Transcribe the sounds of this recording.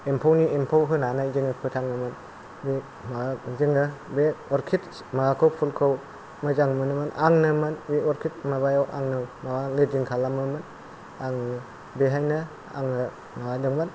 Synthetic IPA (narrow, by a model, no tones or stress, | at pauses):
empʰawniempʰawɦɯnanajziŋɯpʰɯtʰaŋnɯmɯn | be | mazɯŋɯbeɔɾkʰit̚ | maɡakʰɯwpʰulkʰɯw | mɯzaŋmɯnɯmɯnaŋnɯmɯnbeɔɾkʰit̚maβajawʔaŋnɯmawalɯd͡ʒiŋkʰalamɯmɯn | aŋ | beɦajnɯ | a̰ŋɯ | mawadɯŋban